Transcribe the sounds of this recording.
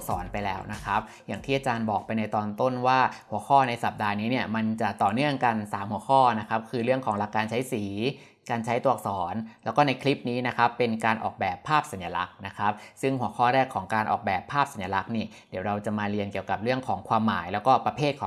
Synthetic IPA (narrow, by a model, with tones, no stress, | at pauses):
sɔː˩˦npa˧jlɛː˦˥wna˦˥kʰa˦˥p̚ | ja˨˩ŋt̪ʰiː˥˩a˧t͡ɕaː˧nbɔː˨˩k̚pa˧jna˧jt̪ɔː˧nt̪o˥˩nwaː˥˩hu˩˦əxʰɔː˥˩na˧jsa˨˩p̚daː˧niː˦˥ni˥˩əma˧nt͡ɕa˨˩t̪ɔː˨˩nɯ˥˩əŋka˧nsaː˩˦mhu˩˦əkʰɔː˥˩na˦˥kʰa˦˥p̚kʰɯː˧ɾɯ˥˩əŋkʰɔː˩˦ŋla˨˩kːaː˧nt͡ɕʰa˦˥jsiː˩˦ | kaː˧nt͡ɕʰa˦˥jt̪u˧˩ək̚sɔː˩˦nlɛː˦˥wkɔː˥˩na˧jkʰli˦˥p̚niː˦˥na˦˥kʰa˦˥pːe˧nkaː˧nʔɔ̰ː˨˩k̚bɛː˨˩pʰːaː˥˩p̚sa˩˦nja˧la˦˥k̚na˦˥kʰa˦˥p̚sɯ˥˩ŋhu˨˩˦əkʰɔː˥˩ɾɛː˥˩kʰːɔː˩˦ŋkaː˧nʔɔ̰ː˨˩k̚bɛː˨˩pʰːaː˥˩p̚sa˩˦nja˧la˦˥k̚niː˥˩di˩˦wɾa˧wt͡ɕa˨˩maː˧ɾi˧ənki˨˩əwka˨˩p̚ɾɯ˥˩əŋkʰɔː˩˦ŋkʰwaː˧mːa̰ː˩˦jlɛː˦˥wkɔː˥˩pɾa˧pʰeː˥˩t̪̚kʰː